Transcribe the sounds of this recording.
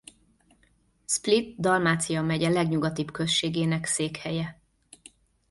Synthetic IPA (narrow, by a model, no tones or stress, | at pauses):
split̪d̪ɒlmaːt̪sijɒmɛɟɛlɛɡɲuɡɒt̪ibkøsʃeːɡeːnɛkseːkhɛjɛ